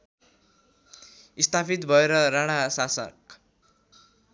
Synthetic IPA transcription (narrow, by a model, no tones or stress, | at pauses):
ist̪afit̪bʱʌeɾʌɾaɽ̃asasʌ̰k